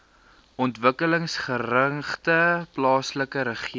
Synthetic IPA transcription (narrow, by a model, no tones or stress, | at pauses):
ʔɔntvəkələŋsχərɾəŋχtəplɑːsləkəɾəχi